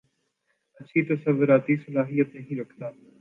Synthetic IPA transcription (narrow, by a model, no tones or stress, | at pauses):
ətːʃʰiːt̪əsəʋːʊɾaːt̪iːsəlaːɦijət̪nəɦĩːɾɐkʰd̪aː